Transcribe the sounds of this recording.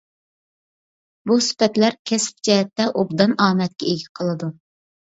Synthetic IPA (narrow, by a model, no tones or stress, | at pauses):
busy̥pɛt̪læɾkʲʰɛsp̚d͡ʒɛɦɛt̪ːɛʔobd̪ɑnɑːmɛt̪̚kʲɛeɡʲɛqʰəlˠɨd̪u